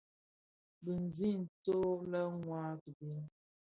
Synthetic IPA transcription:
bə˨n̩˨zi˦n̩˨to˦lə˦ŋwa˦ti˨bi˦

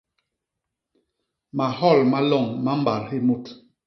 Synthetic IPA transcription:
ma˨hɔ˦˨lma˦lɔ˦˨ŋma˦m̩˦ba˨ɾhe˦mu˦˨t

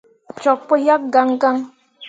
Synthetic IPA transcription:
t͡ʃɔ˨k̚po˦ja˦k̚ɡa˦ŋɡa˦ŋ

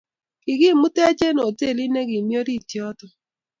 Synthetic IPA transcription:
kɪ˨ɣi˦˨mu˦tɛ˦d͡ʒe˦no˨te˦˨li˦ne˦ɣi˨mjo˦ɾi˦˨tjɔ˦tɔ˨

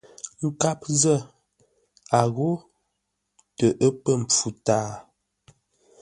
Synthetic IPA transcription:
ŋ̩˨ka˦p̚zə˦˨ | a˨ɣo˦ | tə˨ʔə˦pə˦˨m̩˨p͡fu˨taː˦

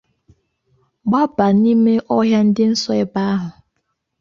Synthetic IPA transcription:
ɡ͡ba˦ba˨ni˦me˦ʔɔ˦ɦja˦n̩˦dɪ˦n̩˦sɔ˦ɪ˨ba˦a˦ɦʊ˨

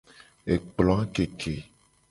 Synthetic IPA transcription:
e˨k͡plɔ̃˨˦a˦ke˨kʰe˨

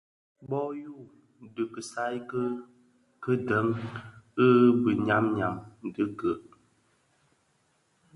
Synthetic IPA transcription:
bɔ˦ju˦˨ | də˨kə˨sa˦jkə˦ | kə˦də˨˦ŋə˦bə˨ɲa˨˦mɲa˨m˨də˨˦ɡə˨ʔ

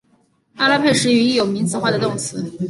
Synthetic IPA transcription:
a˥˧la˥˧˥pʰe˥˩ɪʂɻ̩˥˩y˧˥i˥˩jo˨˩ʊmi˧˥ŋt͡sɹ̩˨˩˦xwa˥˩d̪ə˩t̪ʊ˥˩ŋt͡sʰɹ̩˧˥

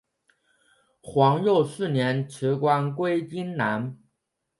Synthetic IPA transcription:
xwɑ˧˥ŋjo˥˧ʊʂɹ̩˥˩njɛ˧˥nʈ͡ʂʰɻ̩˧˥kwa˥nkwe˥ɪt͡ɕi˥nna˧˥n

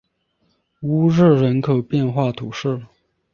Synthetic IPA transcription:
u˧˥ɻɻ̩˥˩ɻə˧˥nkʰɤ˨˩pjɛ˥˧nxwa˥˩t̪ʰu˨˩ʂɻ̩˥˩

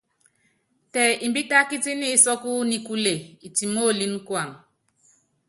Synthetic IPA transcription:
tɛ˨i˨mbi˦ta˦ki˦ti˦ni˦sɔ˦ku˦ni˦ku˦le˨i˨ti˨mo˦˨li˦n˦kwa˨n

